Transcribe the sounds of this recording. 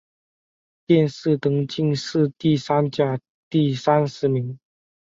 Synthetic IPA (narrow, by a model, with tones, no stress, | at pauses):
t̪jɛ˥˧nʂɻ̩˥˩t̪ɤ˧˥ŋt͡ɕi˥˧ŋʂɻ̩˥˧t̪i˥˩sa˥nt͡ɕja˥˧ | t̪i˥˩sa˥nʂɻ̩˧˥mi˧˥ŋ